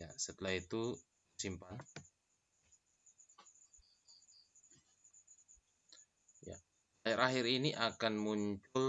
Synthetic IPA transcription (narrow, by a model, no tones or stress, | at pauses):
jasət̪əlahit̪u | simpan | ja̰ | ahɪɾaɦɪɾiniʔakanmuɲt͡ʃʊl